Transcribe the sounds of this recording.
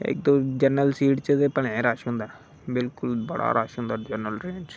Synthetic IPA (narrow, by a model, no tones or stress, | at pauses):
ḛk̚d̪od͡ʒəɾnəlsiːʈt͡ʃəd̪epəɽ̃ẽɾaːʃɦʊ̃nd̪aː | bɪlkʊlbəɽa̰ɾʔaːʃɦʊ̃nd̪aːd͡ʒəɾnəlɾẽːnd͡ʒ